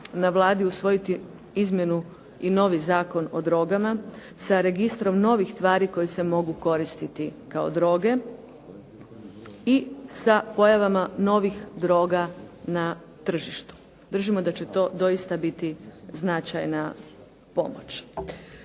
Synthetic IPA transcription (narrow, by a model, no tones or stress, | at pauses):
naʋlˠaːd̪iusʋo̞jit̪i | izmʲje̞nu | ino̞ʋizaːko̞no̞̰d̪ɾo̞ɡama | saɾe̞ɡist̪ɾo̞mno̞ʋixst̪ʋaːɾiko̞jese̞mo̞ɡuko̞ɾist̪it̪ikao̞̰d̪ɾo̞ːɡe̞ | isapo̞jaʋamano̞ʋixd̪ɾo̞ːɡana | t̪r̩ʒiʃt̪u̥ | d̪r̩ʒimo̞d̪at͡ɕet̪o̞ːd̪o̞ist̪abit̪iznat͡ʃa̰jna | po̞̰mo̰t͡ʃ